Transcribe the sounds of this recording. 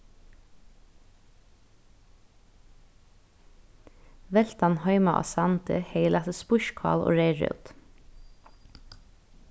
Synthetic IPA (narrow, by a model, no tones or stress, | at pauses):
ʋɛlt̪ɑnhɑʏmɑʔɑ̰sɑnt̪ʰə̰heɪlɑt̪əspʊʃkʰɑ̰ːlo̰ːɹeɪɹœ̰ʉd̪̥